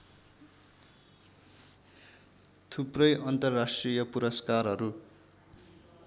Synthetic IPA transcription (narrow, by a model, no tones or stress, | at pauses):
t̪ʰuprʌjʔʌnt̪ʌrːasʈrijʌpuɾʌskarɦʌɾu